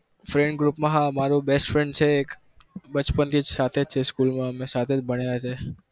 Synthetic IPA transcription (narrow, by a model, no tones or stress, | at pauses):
fɾɛ̃ɳɖɡɾupmãɦãmaɾubesʈfɾẽɳɖt͡ʃʰeːk | bət͡ʃpənt̪ʰid͡ʒsat̪ʰed͡ʒt͡ʃʰeskulmãmẽsat̪ʰed͡ʒbəɽ̃eat͡ʃʰe